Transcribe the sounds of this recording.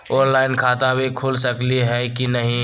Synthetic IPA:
ɔ̃ːnlaːɪnkʰaːt̪abʱikʰʊlsəkliɦɛkinɐɦĩ

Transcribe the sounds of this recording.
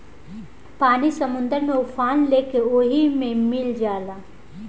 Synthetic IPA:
paːnisɐmʊ̃nd̪əɾmẽʊfʰaːnleːkeoːɦimẽmɪld͡ʒaːlaː

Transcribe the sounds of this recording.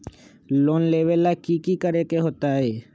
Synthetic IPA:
lonleβelakikikaɾekeɦot̪ae

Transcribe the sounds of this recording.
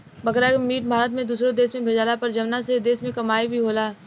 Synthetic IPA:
bɐkɾamiːʈ̚bʱaːɾət̪̬mẽd̪uːsɾod̪eːsmẽbʱeːd͡ʒaːlapɐɾd͡ʒɐʋnased̪eːsmẽkɐmaːibʱiɦoːlaː

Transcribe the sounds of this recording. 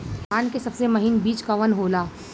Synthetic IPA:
aːnkesɐbsemɐɦɪnbiːt͡ʃkaʋənɦoːlaː

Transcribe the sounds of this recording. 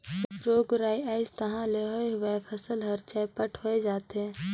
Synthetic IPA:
ɾoːɡɾaːiaːɪst̪əɦãleɦoeɦʊepʰəsəlɦɐɾt͡ʃajpəʈʰɦoed͡ʒaːt̪ɦɛ̃ː

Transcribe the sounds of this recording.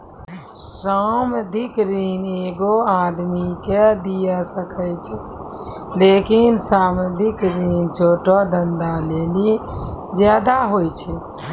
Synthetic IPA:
saməd̪ʱikɾiːneɡoad̪miked̪ijasəkət͡ʃʰɛ | lekinsaːməd̪ʱikɾint͡ʃʰoːʈɔd̪ənd̪alelid͡ʒjaːd̪aɦojt͡ʃʰɛ

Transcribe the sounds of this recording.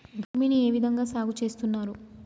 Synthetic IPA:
bʱuːminie̞ːʋid̪ʱɐŋɡaːsaːɡut͡ʃe̞ːst̪unːaːɾu

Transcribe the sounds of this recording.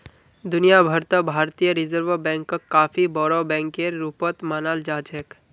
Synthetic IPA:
d̪ʊnijabʱəɾt̪əbʱaːɾt̪ijəɾɪzəɾʋəbɛ̃ːŋkːɐkːaːfibɔːɽobɛ̃ːŋkeɾːuːpət̪maːnaːld͡ʒaːd͡ʒək

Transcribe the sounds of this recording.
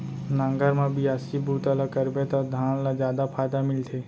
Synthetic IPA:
nãŋɡəɾmãbʱiasibʱuːt̪əlakəɾbẽt̪ad̪ʱãːɽ̃lazjaːd̪apʰaːjd̪amɪlt̪ʰeː

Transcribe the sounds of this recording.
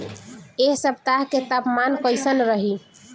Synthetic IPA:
eɦsəb̚t̪aɦket̪apmankəjsənɾəɦi

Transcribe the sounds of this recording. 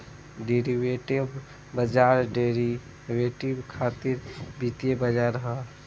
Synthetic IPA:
ɖeɾiʋeʈib | bəd͡ʒaɾɖeɾi | ʋeʈibkʰat̪iɾbit̪ebəd͡ʒaɾɦə̃

